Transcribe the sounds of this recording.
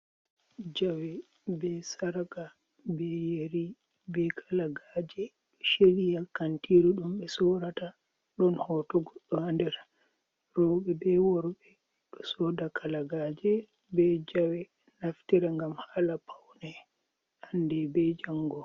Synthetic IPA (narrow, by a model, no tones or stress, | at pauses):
d͡ʒawɛ | bɛsaɾaka | bɛjeɾi | bɛkʰalaɡaːd͡ʒɛ | ʃelijakantiɾuɗumɓɛsɔɾata | ɗɔnhɔtɔɡɔɗːɔhandɛɾ | rɔɓɛbɛwɔɾɓɛ | ɗɔsɔːdakalaɡaːd͡ʒɛ | bɛd͡ʒawɛ | naftiɾaŋɡamhaːlapʰawnɛ | andɛbɛd͡ʒaŋɡɔ